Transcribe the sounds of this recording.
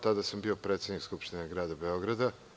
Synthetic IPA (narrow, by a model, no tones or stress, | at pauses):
t̪ad̪asambio̞pɾeːt̪sed̪nikskupʃt̪ineɡɾaːd̪abeo̞ɡɾad̪a